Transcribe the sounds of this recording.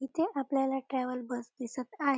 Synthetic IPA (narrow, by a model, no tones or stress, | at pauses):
ɦit̪eʔapljalaʈɾɛʋəlbəsd̪isət̪aɦ